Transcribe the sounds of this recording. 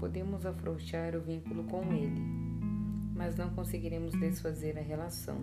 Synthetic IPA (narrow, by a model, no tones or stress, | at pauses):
pod̪ẽmʊzafɾõʃaɾʊvĩŋkulʊkõw̃elɪ | mɐznɐ̃w̃kõseɡiɾẽmʊzd̪esfazeɾɐɦelasɐ̰̃w̃